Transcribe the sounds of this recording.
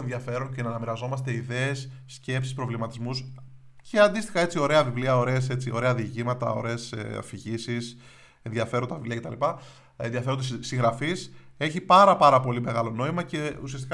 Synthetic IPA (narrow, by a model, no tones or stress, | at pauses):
enðʝɐfe̞ɾonce̞nɐnɐmiɾɐzo̞mɐst̪e̞iðe̞ːsː | cepsi̥spɾo̞vlimɐt̪izmus | ceɐnd̪ist̪i̥xɐe̞t͡sio̞ɾe̞ɐvivliɐo̞ɾe̞se̞t͡sio̞̰ɾe̞ɐðicimɐt̪ɐ̰o̞̰ɾe̞ːsfiʝisis | e̞nðjɐfe̞ɾont̪ɐvivliɐce̞t̪ɐ̰lipɐ | enðiɐfeond̪siŋɣɾɐfise̞çipɐɾɐpɐɾɐpo̞lime̞ɣɐlo̞no̞imɐce̞ṵsiɐst̪ik